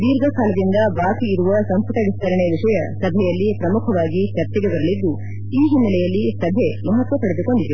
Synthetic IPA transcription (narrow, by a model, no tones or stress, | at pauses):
d̪iːɾɡʱɐkaːlɐd̪ind̪ɐʋaːkiiɾuʋɐsɐmspuʈɐʋist̪ɐɾɐɳeʋiʂɐjɐsɐbʱɛjɐlːipɾɐmukʰɐʋaːɡit͡ʃɐɾt͡ʃ̪ɛɡebɐɾɐlid̪ːu | iːɦimːɐlɛjɐlːisɐbʱemɐɦɐt̪ʋɐpɐɽed̪uko̞ɳɖid̪e